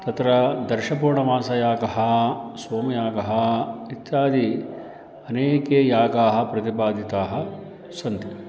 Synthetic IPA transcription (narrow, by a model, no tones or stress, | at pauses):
t̪ɐt̪ɾɐd̪ɐɾʃɐpuːɳɐʋaːsɐjaːɡɐɦɐsoːmɐjaːɡɐɦɐit̪ːjaːd̪i | ɐneːkeːjaːɡaːɦɐ̆pɾɐt̪ipaːd̪ʱit̪aːɦɐ | sɐnt̪i